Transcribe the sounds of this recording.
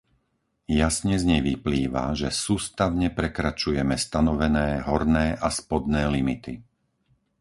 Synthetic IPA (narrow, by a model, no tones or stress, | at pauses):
jasɲɛzɲɛʋipliːʋa̰ʒɛsuːst̪aʋɲɛpɾɛkɾat͡ʃujɛmɛst̪anɔʋɛnɛːɦɔɾnɛːʔaspɔd̪nɛːlimit̪i